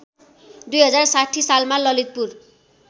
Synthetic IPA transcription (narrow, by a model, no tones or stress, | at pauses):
d̪ujɦʌd͡zarsaʈʰːisalmalʌlit̪̚pur